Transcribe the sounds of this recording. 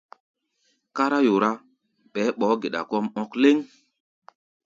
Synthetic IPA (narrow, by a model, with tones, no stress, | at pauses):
ka˦ɾa˦jo˨ɾa˦ | ɓɛː˨˦ɓɔː˨˦ɡe˨ɗa̰˨kɔ˦mɔ˦kle˦ŋ